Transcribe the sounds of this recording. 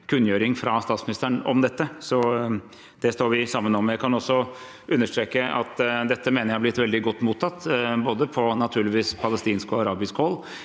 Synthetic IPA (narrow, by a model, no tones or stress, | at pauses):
kʰʉnjøːɾɪŋfɾɑst̪ɑːt̪smɪnɪst̪əɳɔ̰md̪ɛt̪ːəsɔ | d̪̥ɛst̪oːɾʋɪsɑmːənɔmjæɪkʰɑnɔsːɔ | ʔʉnːəʂʈ̪ɾeːkəɑ̰t̪d̪ɛt̪ːəmeːnəɾjæhɑblɪt̪ːʋɛld̪ɪɡɔt̪ːmuːt̪ʰːɑt̪ːboːd̪əpʰɔnɑt̪ʰʉːɭɪʋiːspʰɑləst̪iːnskɔɑɾɑːbɪskəhɔlː